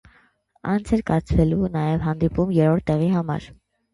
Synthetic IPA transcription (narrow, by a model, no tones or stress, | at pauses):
ɑnt͡sʰɛɾkɑɾt͡sʰvɛlunɑjɛvɦɑnd̪ipumjɛɾɔɾt̪ːɛʁiɦɑmɑ̰ɾ